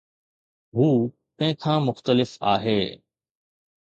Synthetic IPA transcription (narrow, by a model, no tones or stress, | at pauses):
ɦuː | kɐ̃ɦɪ̃kʰãːmʊxt̪əlɪfa̰ːɦeː